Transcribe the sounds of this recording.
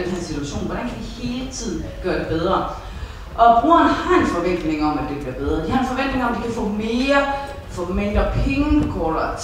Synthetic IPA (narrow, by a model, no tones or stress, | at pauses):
d̥hænsit͡sʰuæɕo̝̰ːnʋɒɾ̥ænkʰæd̥ihe̝ːlət͡sʰið̞̰ˠn̩ɡ̥ɶːɐdɾ̥e̝b̥eð̞ˠʁɐ | ʔɒ̽b̥ʁṵːɐnhɑ̈e̝nfɒ̽ʋen̰d̥ne̝ŋɒ̽mæd̥e̝b̥liɐbeð̞ˠʁɐd̥ihɑ̈enfɒ̽ʋen̰d̥ne̝ŋɒ̽md̥ikʰæfɔ̰̽ːme̝ːɐ | fɔmend̥ɐpʰeŋnkʰolɐt͡sʰ